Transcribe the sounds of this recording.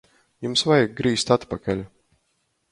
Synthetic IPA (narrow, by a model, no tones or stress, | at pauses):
jumsvajaɡ̚ɡɾiːst̪at̪pakalʲu